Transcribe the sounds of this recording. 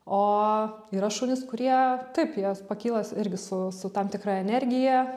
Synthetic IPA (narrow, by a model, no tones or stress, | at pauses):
oː | iːɾɐʃuːnʲɪskʊɾʲiɛt̪ɐɪpjiɛpɐkʲiːlˠɐsɪɾʲɡʲɪsʊsʊt̪ɐmt̪ʲɪkrɑɛnʲɛɾʲɡʲɪjɛ